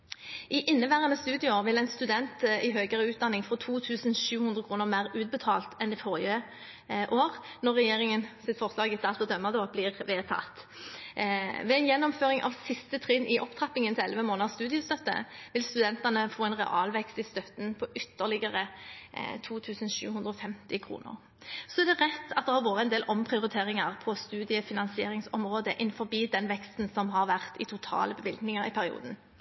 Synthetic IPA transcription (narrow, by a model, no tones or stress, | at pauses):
ʔɪʔɪnːəbæːʁənəst̪ʉːd̪ɪoːʁʋɪlɛɪnst̪ʉd̪ɛnt̪ɪɦøːɡəʁəʉːt̪̚d̪ɑnːɪŋfʁɔt̪ʰuːt̪ʰʉːsənʃʉːhʉnd̪ʁəkʰʁuːnəʁmæʁʉːt̪̚bət̪ʰɑ̰ːlt̪ʰɛnɛfɔːʁɪə | ʔoːʁnɔʁːɛjeːʁɪŋənsɪt̪fɔʁslɑːɡɪsɑt̪ɔd̪œmːɑd̪oːblɪːʁʋeːt̪ʰɑ̰t̪ | ʋɛːɛnjɛnːɔmføːʁɪŋʔɑ̰ʋsɪst̪ət̪ʰʁɪnʔɪʔɔpt̪ʰɑpɪŋənt̪ʰɪlɛlʋəmoːnɑst̪ʉːd̪ɪəst̪œt̪ːə̰ʋɪlst̪ʉd̪ɛnt̪ɑnəfoːɛnʁɛ̰ʔɑːlʋɛkst̪ɪst̪œt̪n̩pʰɔʔʏt̪ːəʁlɪɡəʁə | t̪ʰuːt̪ʰʉːsənʃʉ̰ːhʉnd̪ɾɔfɛmt̪ɪkʰʁṵːnə̰ʁ | sɔɛʁd̪ɛʁɛt̪ːɑt̪d̪ɛhɑʁʋoːʁəɛnd̪eːlʔɔmpʰʁɪʊʁɪt̪ʰeːʁɪŋɑʁpʰɔst̪ʉːd̪ɪəfɪnɑnsɪeːɾɪŋsɔ̰mʁoːd̪əʔɪnfɔʁbiːd̪ɛnʋɛkst̪n̩sɔmɦɑʁʋæʁt̪ɪt̪ʰʊt̪ʰɑ̰ːləbəʋɪlɡnɪŋɑʁɪpʰæʁɪṵːd̪n̩